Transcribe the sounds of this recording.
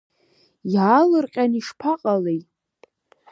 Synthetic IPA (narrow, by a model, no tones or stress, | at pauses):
jaːlɨrqʲʼaniʂpʰaqʼalej